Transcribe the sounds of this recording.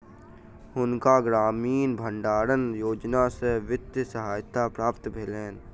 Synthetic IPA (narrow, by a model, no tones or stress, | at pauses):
ɦʊnkaɡɾaːmiːnbʱə̃ɳɖaːɾənjoːd͡ʒnaseʋɪt̪jsəɦaːjt̪apɾaːpt̪bʱɪleːn